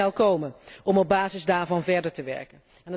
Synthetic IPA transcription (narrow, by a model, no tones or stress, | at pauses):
ɛlˠkowmənʔɔmɔb̚baːzɪzdaːɹvɑnvɛɹdəɹtəʋɛ̰ɹkən | ɛnə